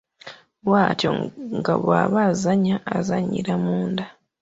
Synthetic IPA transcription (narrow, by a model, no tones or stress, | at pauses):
waːtjo̰ŋɡa̰βwa̰ːβazaɲaʔːzaɲḭɾamuːnda